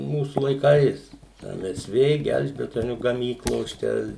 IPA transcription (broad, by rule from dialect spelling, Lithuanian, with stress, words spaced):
ˈmuːsʊ lˠɐɪˈkɐɪs ˈɛm ˈɛs ˈʋʲeː ˈɡʲɛlʲʒʲbʲɛtoːnʲʊ ɡɐˈmʲiːklˠoːs ˈt͡ʃʲɛ